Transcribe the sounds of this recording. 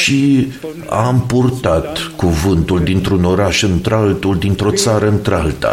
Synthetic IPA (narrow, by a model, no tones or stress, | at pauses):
ʃi | a̰mpurt̪at̪kuvɨnt̪uld̪int̪ɾuno̞ɾaʃɨnt̪ɾalt̪uld̪int̪ɾo̞t̪saɾəɨnt̪ɾalt̪a̰